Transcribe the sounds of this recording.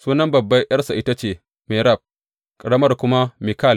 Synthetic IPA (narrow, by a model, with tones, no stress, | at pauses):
suː˦nɐ˦mbɐ˨bːɐ˦jjɐ˦rsa˨ʔɪ˦ta˦t͡ʃeː˨ | mɛ˨ɾɐ˦˨b̚ | kʼɐ˨ɽɐ˦mɐ˦rkʷʊ˦ma˦mɪ˨ka˦˨l